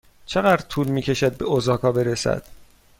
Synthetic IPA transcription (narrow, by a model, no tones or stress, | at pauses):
t͡ʃʰe̞ɣæd̪ɾt̪ʰuːlmiːcʰe̞ʃæd̪̚be̞ozɒːkʰɒːbe̞ɾesæ̰d̪̥